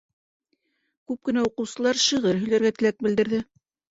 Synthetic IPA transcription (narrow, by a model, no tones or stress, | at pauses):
kʉp̚kɘ̆næuqɤ̆wsɤ̆lˠɑɾʃɤ̆ʁɤɾɦɵ̆jlæɾɡæt̪ɘ̆læk̚bɘ̆ld̪ɘ̆ɾðɘ